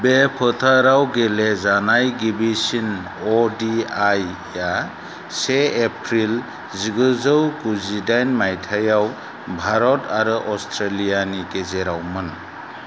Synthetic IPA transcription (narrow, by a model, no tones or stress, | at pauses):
bepʰɯtʰaɾawɡelezanajɡibisin | ɔdiajː | a | seːpʰɾil | ziɡɯzɯwkuzidajnmajtʰajaw | bʱaɾɔtʰaɾɯʔɔstʰɾelijanikezeɾawmɯn